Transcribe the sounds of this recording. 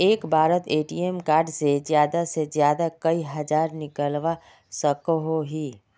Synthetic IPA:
eːkbʱaːɾət̪eːʈiːemkaːɾɖsezjaːd̪asezjaːd̪akɐiɦɐd͡ʒaːɾnɪkəlʋa | səkɦoɦiː

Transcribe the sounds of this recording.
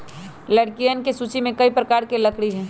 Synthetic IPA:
ləɽkijənkesuːt͡ʃimẽkəipɾəkaːɾkelɐkɽiɦɛ̃ː

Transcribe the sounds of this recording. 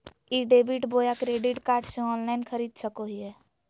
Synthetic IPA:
iɖeːbiʈboːjakɾeːɖɪʈkaːɾʈsẽɔːnlaɪnkʰəɾiːd̪səkoɦiɛː

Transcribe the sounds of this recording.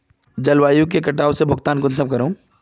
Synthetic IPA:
d͡ʒɐlwaːjũk̬ekɐʈaːʋsebʱʊɡt̪aːnkʊnsɐb̚kɐɾõː

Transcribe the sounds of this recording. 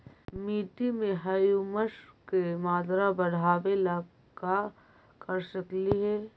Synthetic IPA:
miːʈimẽɦɐjuməʃkemaːd̪ɾabɐɽ̤aːʋelaː | ka | kəɾsəkliɦɛː

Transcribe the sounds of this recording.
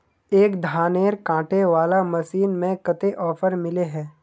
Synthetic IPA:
eːkd̪ʱaːneːɾkãːʈeʋaːlamɐsiːnmẽkɐt̪eʔɔːpʰəɾmɪleɦɛː

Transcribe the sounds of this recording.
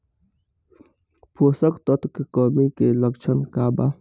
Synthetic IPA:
pʰoːsəkt̪ɔt̪kekɔːmikeləkt͡ʃʰənkaːba

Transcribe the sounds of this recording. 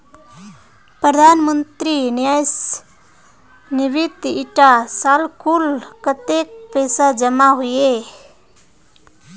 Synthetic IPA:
pɾəd̪ʱanmənt̪ɾinjajs | niʋit̪iʈasalkʰulkət̪ek̚pesad͡ʒəmaɦoje

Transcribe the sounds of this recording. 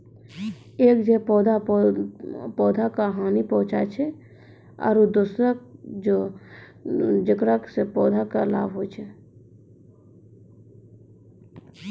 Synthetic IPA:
eːkd͡ʒepɔːd̪ʱa | pɔːd̪ʱakaɦaːnipɔ̃ɦʊ̃t͡ʃat͡ʃʰe | ɔ̰ːɾud̪usɾad͡ʒo | d͡ʒəkɾaksepɔːd̪ʱakala̰ːbɦot͡ʃʰe

